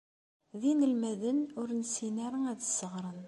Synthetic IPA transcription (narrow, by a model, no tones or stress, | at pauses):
ðinəlmæðənʊɾnsinæɾˤəŋæðəsːəʁɾˤən